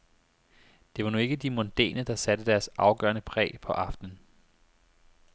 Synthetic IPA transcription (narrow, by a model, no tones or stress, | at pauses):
d̥e̝ʋɑ̈nue̝ɡ̥əd̥imond̥ḛːnəd̥ɑ̈sæd̥əd̥æɐsʔɑ̈ʊɡ̥ɶ̰ɐnəpʰʁɛ̰ːpʰɒ̽ʔɑ̈fd̥n̩